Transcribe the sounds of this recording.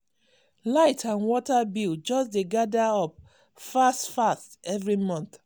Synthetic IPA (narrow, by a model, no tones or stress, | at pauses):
laɪtʰãnwɔtabild͡ʒɔsdeɡadaɔp̚ | fastfastɛvɹimɔ̃nθ